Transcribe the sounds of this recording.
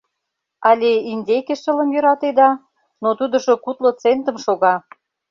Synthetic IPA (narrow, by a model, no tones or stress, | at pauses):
ɑlʲeinʲd̪ʲekeʃə̆lə̆mjø̆ɾɑt̪ed̪ɑ | not̪ud̪ə̆ʃokut̪lot͡sent̪ə̆mʃoɣɑ